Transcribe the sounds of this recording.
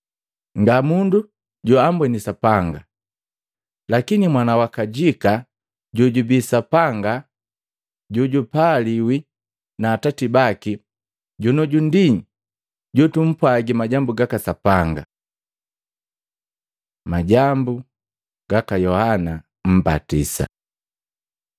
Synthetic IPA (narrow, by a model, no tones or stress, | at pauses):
ŋɡamundu | ɟuambwɛnisapaŋɡa̰ | lakinimwanawakaɟika | ɟuɟubisapaŋɡa | ɟuɟupaliwi | naːtatibaki | ɟunɔɟundiɲ | ɟutum̩pwaɡimaɟambuɡakasapaŋɡa̰ | maɟambu | ɡ̥akajɔhana | m̩ba̰tisa̰